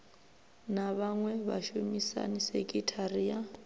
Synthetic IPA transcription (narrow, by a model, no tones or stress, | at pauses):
naβaŋwɛβa̰ʃumisa̰nisɛkʼitʰaria